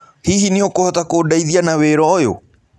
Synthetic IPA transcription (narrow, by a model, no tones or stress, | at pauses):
hiɦiniokohatakoːdaiðianaweːɾɔjo̰